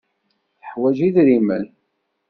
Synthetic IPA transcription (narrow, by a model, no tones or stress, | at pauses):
θəħwæʒiðɾimə̰n